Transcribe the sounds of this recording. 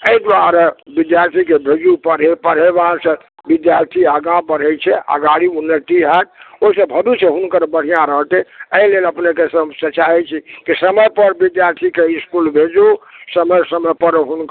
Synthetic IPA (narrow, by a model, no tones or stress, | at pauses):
əid̪uwaɾebid̪jaɾt̪ʰikebʱed͡ʒupəɾepəɽ̤ɦebãsə̃ | bid̪jaɾt̪ʰiəɡãbəɽ̤ɛt͡ʃʰɛʔa̰ɡaɽiunːəʈiɦɛt̪oisə̃bʱəd̪ut͡ʃʰeɦunkəɾbəɽ̤ijãɾəɦt̪eəileləpnekesə̃msət͡ʃaɛt͡ʃʰikisəməjpəɾbid̪jaɾt̪ʰikeiskulbʱed͡ʒusəməjsəməpəɾɦunk